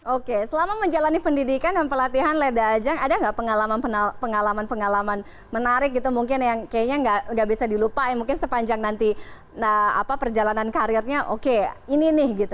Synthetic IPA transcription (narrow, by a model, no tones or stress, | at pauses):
ʔokesəlamaməɲd͡ʒalanipəndidikandampərlat̪iɦanledaːd͡ʒaŋadaŋɡaʔpəŋalamanpənapəŋalamanpəŋalaman | mənaɾɪk̚ɡit̪umuŋkɪnjaŋkajaɲaŋɡaʔŋɡaʔbisadilupaɛmuŋkɪnsəpaɲd͡ʒaŋnant̪i | əa̰papərd͡ʒalanankaɾɪrɲaʔokeininɪhɡit̪u